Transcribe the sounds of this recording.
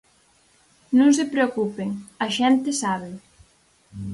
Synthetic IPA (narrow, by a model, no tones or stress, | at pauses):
nõŋsepɾeokupeŋɐʃɛnt̪esaβ̞e